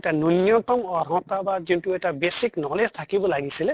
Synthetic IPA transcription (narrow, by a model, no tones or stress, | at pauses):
tanunjɔt̪ɔmɔɾɔ̃t̪abazintuɛtabesiknɔlestʰakibɔlaɡisilɛ